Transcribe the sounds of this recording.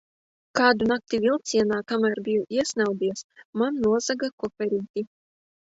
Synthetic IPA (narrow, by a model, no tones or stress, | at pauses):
kaːd̪unak̚t̪ivʲilˠt̪sʲiɛnaːkamæːɾbʲijɔʔiɛsnawd̪iɛsmanːuɔzaɡakɔfʲɛɾiːt̪ʲi